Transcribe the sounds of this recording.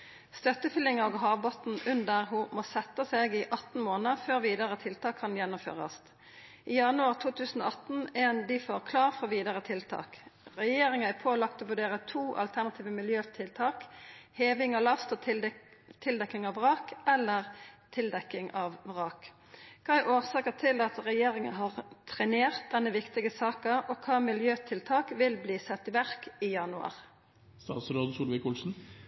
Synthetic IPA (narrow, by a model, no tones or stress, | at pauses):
st̪œt̪ːəfʏlɪŋɑoɡɦɑːʋbɔt̪n̩ʉnd̪əʁɦumoːsɛt̪ːəseːɡɪʔɑt̪n̩moːnəføːʁʋiːd̪əʁət̪ʰɪlt̪ʰɑːkʰːɑnjɛnːʊmfø̰ːʁə̰st̪ | ʔiːjɑnʉɑːʁt̪ʰuːt̪ʰʉːsn̩o̰ːɑt̪n̩eːnd̪ɪːfoːʁkʰlɑːʁfɔʋiːd̪əʁət̪ʰɪlt̪ʰɑ̰ːkʁɛjeːʁɪŋɑæpʰoːlɑkt̪oːʋʉʁɖeːʁət̪ʰuːʔɑ̰lt̪ʰæʁnɑt̪ʰiːʋəmɪljøːt̪ʰɪlt̪ʰɑːkheːʋɪŋɑlɑst̪ɔ | t̪ʰɪld̪ɛkːɪŋɑʋʁɑːkɛlːəʁt̪ʰɪld̪ɛkːɪŋɑʋʁɑːk | kʰɑːæʔoːʁsɑːkət̪ʰɪld̪ɑt̪ʁɛjeːʁɪŋəɦɑːʁt̪ʰʁɛneːʁt̪̚d̪ɛnːəʋɪkt̪ɪɡəsɑːkəʔɔkʰɑːmɪljøːt̪ʰɪlt̪ʰɑːkʋɪlbliːsɛt̪ːɪʋæʁkiːjɑnʉɑ̰ʁ | st̪ɑ̰ːt̪sɾoːd̪n̩suːlʋɪkuːlsn̩